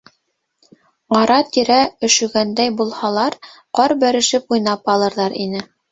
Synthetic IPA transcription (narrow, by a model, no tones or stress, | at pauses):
ʁɑɾɑt̪iɾæɵ̆ʃɵ̆ɡænd̪æjbulˠhɑlˠɑɾ | qɑɾbæɾɘ̆ʃɘpujnɑpɑlˠɤ̆ɾðɑɾḭnɘ